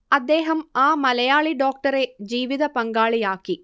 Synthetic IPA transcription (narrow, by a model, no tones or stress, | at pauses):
ɐd̪ːeːɦɐmaːmɐlɐjaːɭiɖoːk̚ʈɐɾed͡ʒiːʋid̪ʱɐpɐŋɡaːɭijaːki